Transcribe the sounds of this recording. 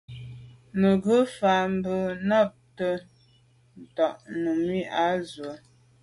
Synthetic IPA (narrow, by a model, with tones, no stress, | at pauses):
mə˨ɡə˦fa˨m˦bə˦˨nɔ˦˨p̚tə˦ | n̩˨tɔ˨ʔnu˨mi˦a˦zwə˨